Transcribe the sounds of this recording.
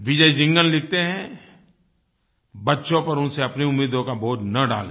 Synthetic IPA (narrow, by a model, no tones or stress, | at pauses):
ʋɪd͡ʒəid͡ʒɪ̃ŋɡəllɪk̚ʰt̪eɦɛ̃ | bɐtːʃõpɐɾʊ̃nseɐpneʊmːiːd̪õkaboːd͡ʒnɐɖa̰ːle